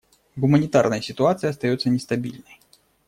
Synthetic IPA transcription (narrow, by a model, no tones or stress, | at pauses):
ɣʊmɐnʲɪt̪arnɐjsʲɪt̪ʊat̪sɨjɐst̪ajɔt̪sːənʲɛst̪abʲḭlʲnəj